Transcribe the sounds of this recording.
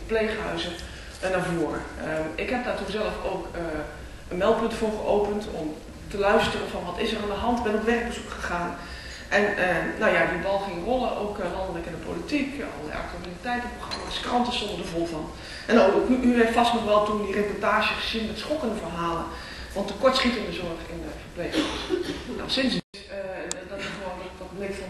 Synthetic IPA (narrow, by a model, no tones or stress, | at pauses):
pleːχəɦœ̰ɥzə | naɹvoːrəɪkɦɛp̚daːɹtunzɛlˠəfoːkə | ənmɛlˠpɵntfʊːɹχəʔowpəntʰɔ̰m | təlœɥstərənvɔnʋɑtɪzərandəɦɑntʋɛnɔtʋɛrɡ̚bəz̥ukχəχaːn | ʔɛnənawjadibɑlˠχɪŋərolˠəʔo̰wklɑndələkɪndəpo̰litikɔ̰lˠlɛ̰jʔa̰k̚tyalitɛjtpxamaskrɑntəsɔndərdəvɔlˠvɔn | ʔɛnoʔyeftfɔstnɔχʋɛlˠtundirepɔɹtaːʒjəχəz̥inmɛtsχɔkəndəvərɦaːlə | ʋɑntəkɔɹtsχitəndəzɔɹχɪnfəbleːk | na̰sɪns | dɔtʋondɔtblekfɔ